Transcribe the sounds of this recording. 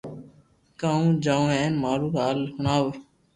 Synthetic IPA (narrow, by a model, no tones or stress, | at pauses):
kaːũːd͡ʒaːũːɛ̃ːnmaːɾũːkaːlhʊnaːʋ